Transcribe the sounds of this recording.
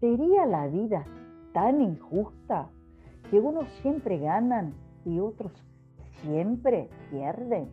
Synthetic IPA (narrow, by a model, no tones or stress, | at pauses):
seɾialaβiða | t̪aniŋxust̪a | keuno̞sːje̞mpɾeɣanan | io̞t̪ɾo̞s | sjempɾe̞pjeɾðen